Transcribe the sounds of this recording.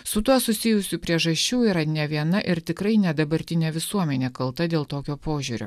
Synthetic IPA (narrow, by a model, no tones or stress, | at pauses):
sʊt̪uɔsʊsʲɪjʊsʲuːpʲɾʲiɛʒɐsʲt͡ʃʲuːiːɾɐnʲɛʋʲiɛnɐʔɪɾt̪ʲɪkɾɐɪnʲɛd̪ɐbɐɾʲt̪ʲɪnʲɛʋʲɪsuɔmʲɛnʲeːkɐlˠt̪ɐd̪ʲeːlˠt̪oːkʲoːpoːʒʲuːɾʲo̰ː